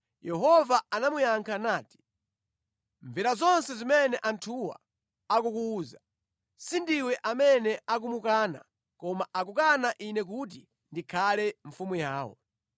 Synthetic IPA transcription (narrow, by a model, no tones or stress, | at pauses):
jɛɦɔvaanamujaŋkʰanaːti̥ | ɱviɾazɔnsɛzimɛnɛʔantʰuwa̰ | akukuːza | sindiwɛʔamɛnɛak̬umukaːna̰ | kɔmaʔak̬ukanaʔinɛk̬ut̬i | ndikʰalɛɱfumujaːwɔ̰